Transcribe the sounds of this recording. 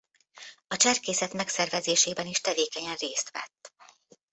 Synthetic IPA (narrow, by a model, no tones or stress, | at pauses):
ɒt͡ʃɛrkeːsɛt̪mɛksɛrvɛzeːʃeːbɛniʃt̪ɛveːkɛɲɛnreːst̪ʋɛ̰t̪ː